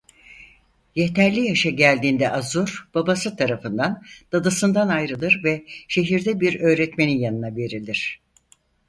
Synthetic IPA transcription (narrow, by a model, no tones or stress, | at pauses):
je̞t̪ʰæɾlʲijaʃaɟælʲd̪iːnd̪ɛʔazuɾb̥abasɯt̪ʰaɾafɯnd̪and̪̥ad̪asɯnd̪anajɾɯlˠɯɾvɛʃe̞ɦiɾd̪ɛbiɾø̞ːɾɛt̪me̞ninjanɯnave̞ɾilʲiɾ̝̥